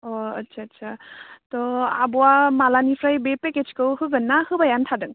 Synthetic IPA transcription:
ɔɐtsʰaːtsatɔa̰bɔwamalanipʰɾajbepeked͡ʒkɯwɦɯɡɯnːahɯbajantʰadɯŋ

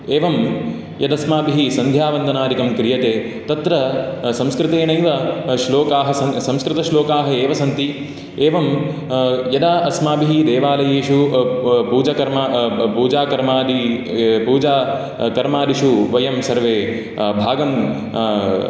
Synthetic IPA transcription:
eːʋɐm | jɐd̪ɐsmaːbiɦisɐnd̪ʱjaːʋɐnd̪ʱɐnaːɾikɐmkɾijɐt̪eː | t̪ɐt̪ɾɐsɐ̃mskɾɪt̪eːnɐjʋɐʃloːkaːɦɐsɐsɐmskɾɪt̪ɐʃloːkaːɦɐeːʋɐsɐnt̪i | eːʋɐm | jɐd̪aɐsmaːbiɦid̪eːʋaːlɐjeːʃupuːd͡ʒɐkɐɾmaːpuːd͡ʒaːkɐɾmaːd̪ipuːd͡ʒaː | kɐɾmaːd̪iʃuʋɐjɐmsɐɾʋeː | bʱaːɡɐm

